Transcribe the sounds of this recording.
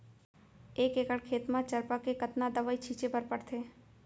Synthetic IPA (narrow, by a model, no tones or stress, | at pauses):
eːkeːkəɽkʰeːt̪mãt͡ʃɐɾpakekɐt̪nad̪ɐʋaːit͡ʃʰiːt͡ʃepɐɾpɐɽt̪ʰeː